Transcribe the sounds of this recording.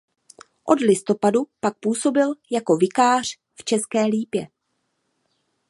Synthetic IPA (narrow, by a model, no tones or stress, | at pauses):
ʔo̞̰dlɪst̪o̞padupak̚puːso̞bɪljako̞vɪkaːr̝̥ | ft͡ʃɛskɛːliːpjɛ